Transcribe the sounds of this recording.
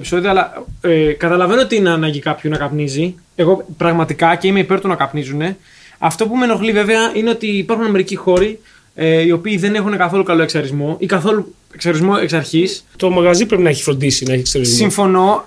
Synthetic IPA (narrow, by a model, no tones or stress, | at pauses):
pi̥so̞ðioɐlɐekɐt̪ɐlɐve̞noo̞t̪inɐːnɐʝikɐpçunɐkɐpnizi | e̞ɣo̞pɾɐɣmɐt̪ikɐce̞ime̞ipe̞ɾt̪unɐkɐpnizune̞ | ɐft̪o̞pume̞no̞xlive̞ve̞ɐʔine̞o̞t̪iːpɐɾxunɐme̞ɾicixo̞ɾi | io̞piːðe̞ne̞xune̞kɐθo̞lukɐlo̞e̞ksɐɾizmo̞ʔikɐθo̞lu | e̞ksɐɾizmoe̞ksɐɾçist̪o̞mɐɣɐzipɾe̞pinɐeçi̥fɾond̪isinɐeçeksɐɾizsiɱfo̞no̞